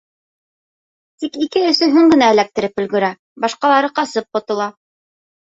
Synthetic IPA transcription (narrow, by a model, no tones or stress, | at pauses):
t̪ikikɘɵ̆sɵɦɵŋɡɘ̆næɘ̆læk̚t̪ɘ̆ɾɘpɵ̆lɡɵ̆ɾæ | bɑʃqɑlˠɑɾɤqɑsɤp̚qŏt̪ŏlˠɑ